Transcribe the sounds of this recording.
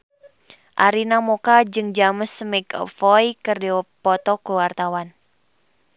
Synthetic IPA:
ʔaɾinamokad͡ʒɨŋd͡ʒaməsmɛkɔ̰fɔjkəriɔpɔt̪ɔkuwart̪awan

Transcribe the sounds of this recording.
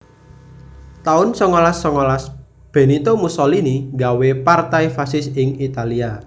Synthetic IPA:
t̪aʊnsɔŋolasːɔŋɔlas | b̥e̤nit̪omusɔliniŋɡawepart̪ajfasɪsɪŋit̪alia

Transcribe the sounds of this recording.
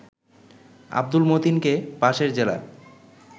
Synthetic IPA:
a̰b̚d̪ulmot̪inkepaʃeɾd͡ʑela̰

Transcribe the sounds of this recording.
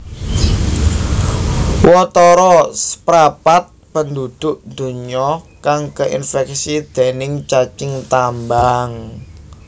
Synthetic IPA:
wɔt̪ɔɾɔspɾapat̪̚pənd̪ud̪̥ʊʔnd̪̥ṳɲɔkaŋkəʔinfɛk̚sid̪̥e̤nɪŋt͡ʃat͡ʃɪŋt̪ambaŋ

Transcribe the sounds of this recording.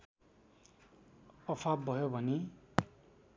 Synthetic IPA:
ʌpʰabːʱʌjobʱʌni

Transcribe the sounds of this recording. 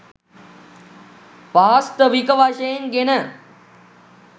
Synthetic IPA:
paːst̪əʋikəʋaʃəjnɡenə

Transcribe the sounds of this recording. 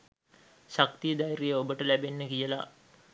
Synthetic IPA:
ʃak̚t̪ijəd̪ajɾijəobəʈəlæbenːəkijəla̰

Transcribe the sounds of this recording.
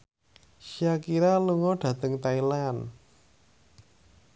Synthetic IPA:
ʃiakiɾaluŋɔɖ̥ä̤t̪əŋt̪ailan

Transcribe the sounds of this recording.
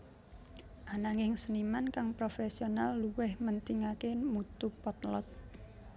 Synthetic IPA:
ʔanaŋɪŋsənimankaŋpɾofesionalːuwɪhmənt̪iŋakemut̪upɔt̪lɔt̪̚

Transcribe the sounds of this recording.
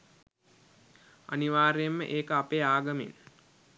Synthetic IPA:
a̰niʋaːɾejemːə̰ʔeːkəapeːaːɡəmḛn

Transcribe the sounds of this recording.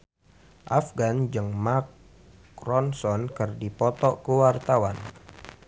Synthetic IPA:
ʔa̰fɡand͡ʒɨŋmak | rɔnsɔnkɨrdipɔt̪ɔkuwart̪awan

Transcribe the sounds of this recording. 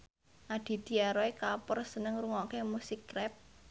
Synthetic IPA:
ʔaɖ̪̥i̤d̪̥i̤aɾoekapɔrsənəŋɾuŋɔkemusikːɾɛp̚

